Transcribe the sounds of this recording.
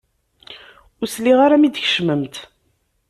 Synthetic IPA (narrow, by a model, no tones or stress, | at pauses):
ʊsliʁaɾamid̪çə̥ʃməmt̪